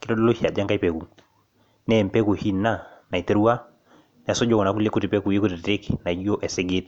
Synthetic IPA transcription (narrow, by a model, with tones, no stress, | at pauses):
kɪ˦dɔ˦dɔ˦lo˦ʃja˨d͡ʒa˦ŋka˦i˦pɛ˨ku˨ | nɛ˨mpɛ˦ku˨hi˦nːa˦na˨i˨te˦ɾu˦wa˦ | nɛ˨a˨sɔ˦d͡ʒɔ˦kɔ˨na˨˦ku˦lɛ˦ku˦ti˨pɛ˦ku˨je˦ku˦ti˨tɾe˦kna˨˦d͡ʒo˦ʔɛ˨sɛ˦ɡe˦t